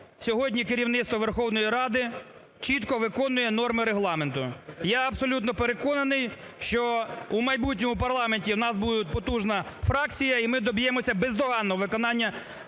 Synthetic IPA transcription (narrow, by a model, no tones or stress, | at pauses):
sʲɔɦɔdʲnʲikeɾʲiwnɪt̪st̪ʋɔʋerxɔwnɔjiɾɑd̪ɪ | t͡ʃit̪kɔʋɪkɔnʊjɛnɔrmɪɾeɦlˠɑme̞nt̪ʊjaɐbsɔlʲut̪nɔpeɾekɔnɐnɪj | ʃt͡ʃɔumɐjbutʲnʲɔmʊpɐrlˠɑmenʲtʲiwnɑsbud̪ʊt̪̚ʲpɔt̪uʒnɐfɾɑkt͡sʲijɐimɪd̪ɔbʲjemɔsʲɐbezd̪ɔɦɑnːɔɔʋɪkɔnɑnʲːɐ